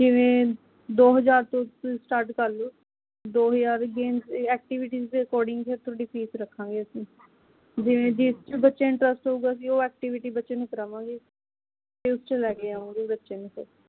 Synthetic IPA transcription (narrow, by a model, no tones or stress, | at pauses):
d͡ʒɪʋẽː | d̪oːɦəd͡ʒaːɾt̪õːsʈaːɾʈkəɾloː | d̪oːɦəzaːɾɡeːnzɛːk̚ʈiʋɪʈiːzd̪eːəkɔːɾɖɪ̃ŋɡt͡ʃʰeːt̪ʰoɖipʰiːsɾəkʰːãːŋɡeːəsĩː | d͡ʒɪʋẽːd͡ʒist͡ʃebətːʃeːɪ̃ɳʈɾəsʈɦouːɡaːəs̬ĩːoːɛːk̚ʈiʋɪʈiːbətːʃeːnẽːkəɾãːʋãːɡeː | t̪eːʊst͡ʃelɛːkeːaːũːɡebətːʃeːnẽːkəɾ